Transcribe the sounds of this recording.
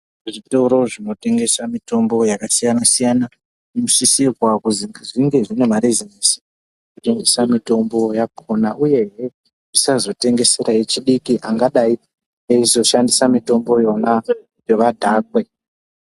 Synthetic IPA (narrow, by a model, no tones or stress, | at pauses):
ʐitoɾo̞ʐino̞te̞ŋɡe̞samito̞mbo̞jakasijanasijana | imusisirwakuziŋʐiŋɡe̞ʐine̞maɾizinisi̥ | kuteŋɡesamito̞mbo̞japʰonaʔuje̞ɦe | ʐisazo̞te̞ŋɡe̞se̞ɾae̞t͡ʃiɗikiʔaŋɡaɗai | eizo̞ʃandisamito̞mbo̞jo̞na | jo̞ʋadʱaːk̚we̞